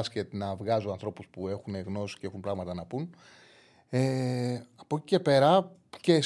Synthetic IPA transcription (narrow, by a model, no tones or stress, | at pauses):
sket̪nɐvɣɐzoɐnθɾo̞puspue̞xune̞ɣno̞si̥ceexunpɾɐɣmɐt̪ɐnɐpun | eɐpo̞ci̥ce̞pe̞ɾɐ | ce